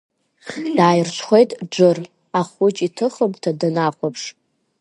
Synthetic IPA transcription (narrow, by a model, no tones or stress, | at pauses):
d̥aːjrt͡ʃʷʰχʷejtʼd͡ʒʷɨr | aχʊt͡ʃʼitʰɨχəmʼtʰadɨnaχʷapʰʂ